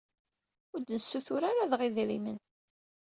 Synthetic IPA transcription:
ʊɾd̪nəsːuθʊɾaɾaðʁiðɾimən

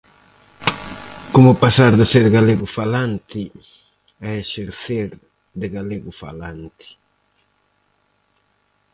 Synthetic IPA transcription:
komʊpasaɾðɪseɾɣaleɣʊfalant̪ɪ | ɛeʃeɾθeɾ | d̪ɪɣaleɣʊfa̰lant̪ɪ̥

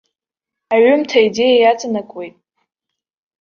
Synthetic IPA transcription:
aɥʏmtʰaide̞jajat͡sʼanakʷʼwe̞jtʼ

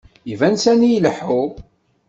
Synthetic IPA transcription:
ivænsænijləħʊ

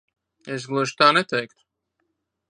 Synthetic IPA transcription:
ɛs̬ɡlˠɨʒ̥t̪aːnɛt̪ɛjkt̪ʊ̥

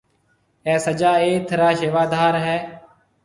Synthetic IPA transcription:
ɛːsəd͡ʒaːeːt̪ʰəɾaːʃeːʋaːd̪ʱaːɾɦɛː

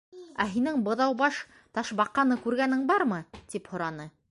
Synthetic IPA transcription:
æɦinɘŋbɤ̆ðɑwbɑʃ | t̪ɑʃbɑqːɑnɤkʉɾɡænɘŋbɑɾmɤt̪iphŏɾɑnɤ

